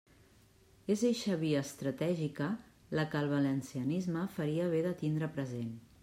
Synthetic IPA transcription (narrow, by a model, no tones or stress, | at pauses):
ezeʃəβiəːst̪ɾət̪ɛʒikə | ləkəlˠβɐlənsiənizməfəɾiəβ̞eðət̪ind̪ɾəpɾəzen